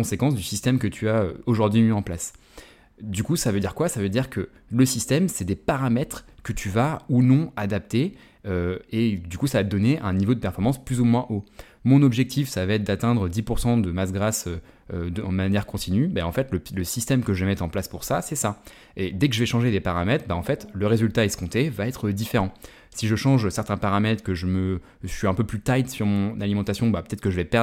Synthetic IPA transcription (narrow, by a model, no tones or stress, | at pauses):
kɔ̃sekɑ̃sd̪ysist̪ɛmkət̪ʰyaø̰oʒuʁd̪ɥimiɑ̃plas | d̪ykusavød̪iʁkwasavød̪iʁkʰə | ləsist̪ɛmsɛd̪epaʁamɛt̪χkət̪ʰyvaunɔ̃ad̪ap̚t̪e | øed̪ykusavat̪əd̪ɔneʔɛ̃nivod̪əpɛʁfɔʁmɑ̃splyzumwɛ̃ʔo | mɔ̃nɔbʒɛk̚t̪ʰifsavəɛt̪̚d̪at̪ɛ̃d̪ʁəd̪ipuʁsɑ̃d̪əmasɡʁasø | ød̪manjɛʁkɔ̃t̪ʰinybaɑ̃fɛt̪lələsist̪ɛmkəʒəmɛt̪χɑ̃plaspuʁsasɛsa | ed̪ɛkəʒəvɛʃɑ̃ʒed̪epaʁamɛt̪χbaɑ̃fɛt̪ləʁezylt̪aɛsə̥kɔ̃t̪evaɛt̪χəd̪ifeʁɑ̃ | siʒəʃɑ̃ʒsɛʁt̪ɛ̃paʁamɛt̪χəkəʒəmə | sɥiɛ̃pøplyt̪ajt̪syʁmɔ̃nalimɑ̃t̪asjɔ̃bapə̥t̪ɛt̪χkəʒəvɛpɛʁ